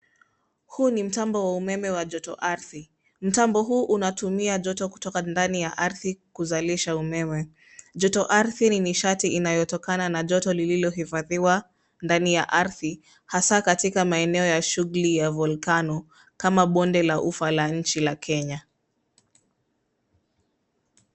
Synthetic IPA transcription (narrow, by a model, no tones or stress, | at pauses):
hunim̩tambɔwaumɛmɛwaʄɔtɔʔaɾθi | m̩tambɔɦuːʔunatumiaʄɔtɔku̥tɔkandanijaʔaɾθikuzaliʃaumɛmɛ | ʄɔtɔʔaɾθininiʃatiinajɔtɔkananaʄɔtɔlililɔɦifaðiwa | ndanijaʔaɾθi | hasakatikamaɛnɛɔjaʃuɣulijavulkanɔ | kamaɓɔndɛlaʔufalaɲ̩t͡ʃilakʰɛɲa